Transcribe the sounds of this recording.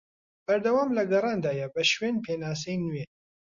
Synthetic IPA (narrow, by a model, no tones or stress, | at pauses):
b̥ɐɾd̪ɐwaːmlɐɡɐrˤɑːnd̪aːjɛbɐʃweːnpʰeːnaːs̬ɛjnue